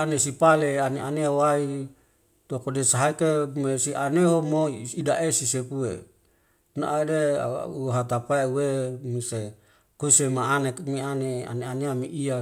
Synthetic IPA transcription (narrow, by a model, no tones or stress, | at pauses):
anesipaleaneʔaneawai | t̪uakodesaɦaikemesiʔaneɦomoidaʔesisepuḛ | na̰ʔdḛuɦat̪apaeuwemise | kusemaːnekmianea̰neaneamiʔia